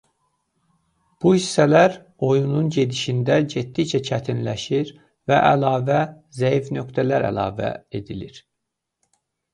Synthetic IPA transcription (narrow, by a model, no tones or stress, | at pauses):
b̥uhisːælæɾ | o̞jununɟe̞d̪iʃind̪æɟet̪̚d̪it͡ʃʰæt͡ʃʰæt̪ʰinlæʃiɾ | væʔælɑːvæ | zæifnø̞kt̪ʰælæɾæ̰lˠɑ̰ːvæ̰e̞d̪iliɾ̥